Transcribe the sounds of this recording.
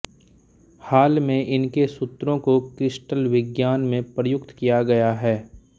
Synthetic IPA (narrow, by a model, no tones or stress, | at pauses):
haːlmẽʔɪnkesʊt̪ɾõkokɾɪsʈəlʋɪɡjaːnmẽpɾəjʊkt̪kijaɡɐjaɦɛː